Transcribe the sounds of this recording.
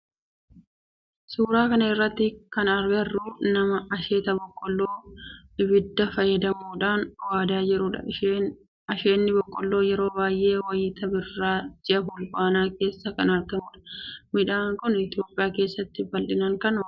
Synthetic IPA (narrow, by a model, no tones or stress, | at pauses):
suːɾaːkɐnɐɪrːɐt̪ːɪkɐnɐɾɡɐrːuːnɐmɐɐʃe̞ːt̪ɐbɔkʼːɔlːoːɪbɪd̪ːɐfɐjːɐd̪ɐmuːᶑaːnwaːd̪aːd͡ʒɛɾʊːᶑɐ̰ | ɐʃeːnːɪbɔkʼːɔlːo̞ːjɛɾo̞ːbaːjʔe̞ːwɐjɪːt̪ɐbɪrːaːd͡ʒɪʔɐɦʊlbaːnaːke̞ːsːɐkɐnɐɾɡɐmuːᶑɐ̥mɪᶑaːŋkʊnɪt̪ɪjo̞ːpʼɪjaːke̞ːsːɐt̪ːɪbɐlᶑɪnɐŋkɐnɔ